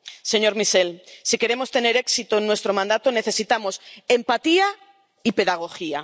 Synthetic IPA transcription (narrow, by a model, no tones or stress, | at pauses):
se̞ɲo̞ɾmise̞lsike̞ɾe̞mo̞st̪e̞ne̞ɾe̞ksit̪oenːwe̞st̪ɾo̞mãnd̪at̪one̞θe̞sit̪amo̞se̞mpat̪ia | ipe̞ðaɣ̞o̞xia̰